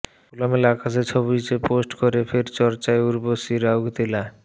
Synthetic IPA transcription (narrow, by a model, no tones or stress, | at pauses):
ulamelakʰaset͡ɕʰobit͡ɕeposʈkoɾefeɾt͡ɕɔɾt͡ɕaeuɾbosiɾauɡt̪ila